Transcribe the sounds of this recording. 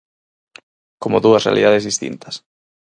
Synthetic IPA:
komoðuɐsrea̰liðaðezðist̪ḭnt̪ɐ̥s

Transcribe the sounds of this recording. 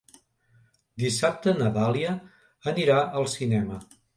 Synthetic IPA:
d̪isap̚t̪ənəðaliə | əniɾaəlˠsinɛmə

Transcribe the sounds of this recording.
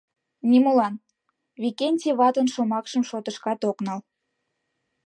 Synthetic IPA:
nimulɑn | βikenʲtʲiβɑt̪ənʃomɑkʃəmʃot̪əʃkɑt̪oknɑl

